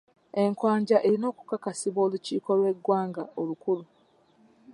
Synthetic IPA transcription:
e̞ŋkwaːɲɟaʔe̞ɾino̞ːku̥kakasiβwo̞ːluciːko̞lwe̞ɡːwaːŋɡaolukulu

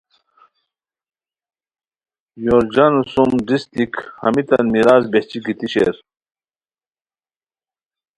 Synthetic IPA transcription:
joːɾd͡ʑɐnusumɖist̪ikhɐ̰mit̪ɐnmiɾaːzbeht͡ɕikit̪iɕḛɾ

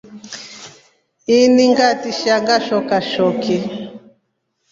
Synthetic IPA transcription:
iniŋɡatiʃaŋɡaʃɔkaʃɔkɛ

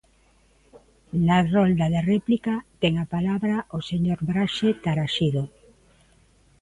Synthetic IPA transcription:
narold̪aðerɛplikat̪ɛŋapalaβɾaʔoseɲoɾβɾaʃet̪aɾaʃiðo

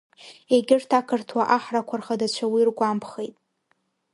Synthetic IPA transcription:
e̞ɡʲɪrtʰakʰɨrtʰwaʔaħrakʷʰarχadat͡ɕʷʰawirɡʷampʰχejtʼ

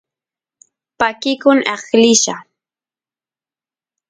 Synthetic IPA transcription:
pakɪkʊŋɑχlɪʃa

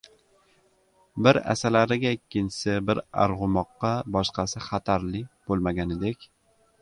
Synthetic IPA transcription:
bɪɾa̰salaɾɪɡʲaekʲʰːɪnt͡ʃɪ̥sɪbɪɾa̰ɾʁʊmɒqːɑbɒʃqɑsɪχat̪ʰaɾlɪk̚ʲb̥olˠmaɡʲanɪd̪ekʲ

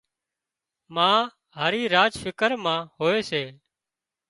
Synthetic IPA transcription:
mãː | ɦəːɾiːɾaːd͡ʒfɪkəɾmãːɦoːeːseː

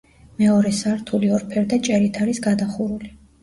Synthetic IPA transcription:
mɛɔɾɛsaɾt̪ʰuliɔɾpʰɛɾd̪at͡ʃʼɛɾit̪ʰaɾisɡad̪aχuɾuli

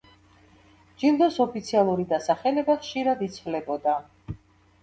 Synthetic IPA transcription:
d͡ʒind̪ɔsɔpʰit̪sʰialˠuɾid̪asaχɛlɛbaχʃiɾad̪it̪sʰlɛbɔd̪a

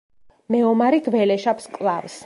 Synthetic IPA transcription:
mɛɔmaɾiɡvɛlɛʃapskʼlˠavs

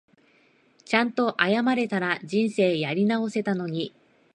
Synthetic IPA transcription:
t͡ɕãnt̪o̞ʔajamaɾe̞t̪aɾad͡ʑĩɰ̃se̞ːjaɾʲinao̞se̞t̪ano̞ɲ̟i

